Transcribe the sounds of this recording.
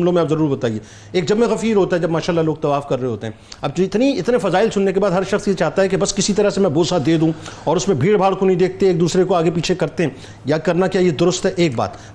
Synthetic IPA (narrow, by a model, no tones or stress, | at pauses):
mlõmẽaːpzɐɾuːɾbɐt̪aːie | eːk̚d͡ʒɐbmẽɣɐfiːɾɦoːt̪aɦɛd͡ʒɐbmaːʃaːlːaloːɡ̚t̪ɐʋaːfkɐɾːɐɦeɦoːt̪eɦɛ̃ɐbd͡ʒɪt̪niɪt̪nefɐzaːɪlsʊnːek̬ebaːd̪ɦɐɾʃɐxsjet͡ʃaːɦt̪aɦɛkebɐskɪsit̪ɐɾəsemɛ̃boːsad̪eːd̪ũɔːɾʊsmẽbʱiːɽbʱaːɽkonɐ̃ɦĩd̪eːk̚ʰt̪eeːk̚d̪uːsɾekoaːɡepiːt͡ʃʰekɐɾt̪eɦɛ̃ː | jakɐɾnakjaːjed̪ʊɾʊst̪ɦɛʔeːk̚ba̰ːt̪